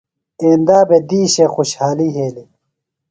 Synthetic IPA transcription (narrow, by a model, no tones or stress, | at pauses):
eːnd̪aːbed̪iːɕexuɕhaːliɦeːli